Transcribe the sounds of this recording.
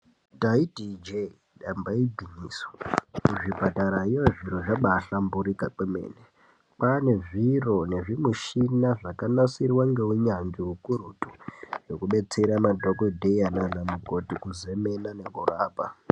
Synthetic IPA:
taidid͡ʒe | ɗambaibʱiniːso̥uʐipataɾaijoʐiɾoʐaɓaɬambuɾikak͡pemḛːne | pane̞ʐirone̞ʐimuʃinaʐakanasirwaŋɡe̞uɲand͡ʒiɦukuɾutujo̞kuɓe̞t͡se̞ɾamadʱokodʱeananamuko̞tikuzemenanekuraːpa

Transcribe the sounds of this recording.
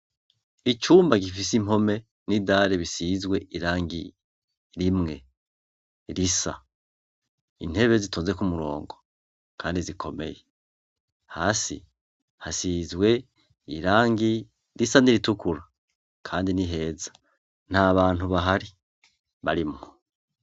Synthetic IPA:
it͡ʃuːmbaɡifis̬imo̞me̞ | nidaɾeβisizɡwe̞ʔiɾaːŋɡi | ɾimŋe̞ | ɾisa̰ | ḭn̥e̞βezitʰoːnze̞kumuɾo̞̰ːŋɡo̞ | kʰaːndizikʰo̞me̞̰je̞ | haːsḭ | hasiːzɡwe̞ | iɾaːŋɡi | ɾisaniɾitukuɾa | kʰaːndiniɦe̞ːzḁ | n̥haβaːn̥uβaɦaɾi | βaɾimŋo

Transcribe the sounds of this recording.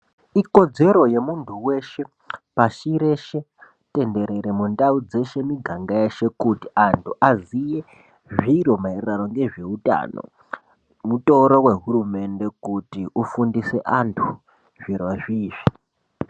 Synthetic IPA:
iko̞d͡ze̞ɾo̞je̞muntʰuwe̞ʃe̞ | paʃiɾe̞ʃe̞ | te̞nde̞ɾe̞ɾemundaud͡ze̞ʃe̞miɡʱaŋɡaeʃe̞kutiʔantʰuʔazije | ʐiɾo̞mairrano̞ŋɡe̞ʐe̞uta̰no̰ | muto̞ɾowe̞ɦuɾume̞nde̞kutiʔufundise̞ʔantʰu̥ | ʐ̥irwaʐiːʐi

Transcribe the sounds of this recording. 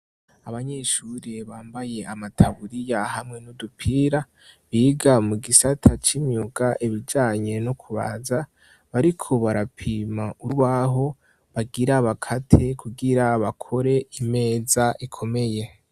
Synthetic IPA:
aβaɲeʃuɾiβaːmbaje̞amatʰaβuɾijahamŋe̞nudupʰiːɾa | βiɡamuɡisatʰat͡ʃimjuɡaʔiβid͡ʒaːɲe̞nokʰuβa̰za | βaɾikʰo̞βaɾapʰimauβaɦo̞ | βaɡiɾaβakʰatʰekuɡiɾaβakʰo̞ɾe̞ime̞ːzaʔikʰo̞me̞je̞

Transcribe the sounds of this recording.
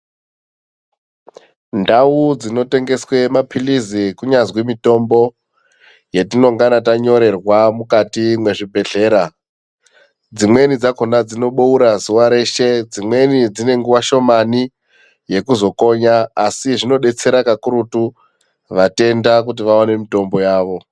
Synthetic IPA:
ndaud͡zino̞te̞ŋɡe̞swe̞mapʰilizikuɲazwimito̞mbo̞ | jetino̞ŋɡanataɲo̞ɾe̞rwamukatimwe̞ʐibʱe̞ɮe̞ːɾa | d͡zimwe̞nid͡zakonad͡zino̞ɓouɾazuʋaɾe̞ʃe̞d͡zimwe̞nid͡zine̞ŋɡuʋaʃo̞mani | je̞kuzo̞ko̞ɲaːsiʐino̞ɗe̞t͡se̞ɾakakuɾutu | ʋate̞ndak̬ut̬iʋawane̞mito̞mbo̞jaːʋo̞

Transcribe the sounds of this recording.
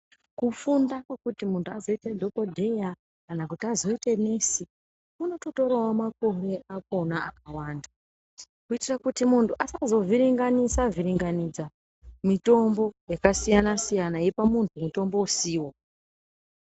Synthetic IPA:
kufundakwakutimuntʰuazo̞itedʱo̞ko̞dʱe̞ja | kanakutiazo̞itene̞si | uno̞to̞to̞ɾawamako̞re̞ak̚o̞naʔak̚awaːnda | kuitirakutimuntʰuʔasazo̞viɾiŋɡanisaviɾiŋɡanid͡za | mito̞mbo̞jakasijanasijanaje̞pamuntʰumuto̞mbo̞usiːwo

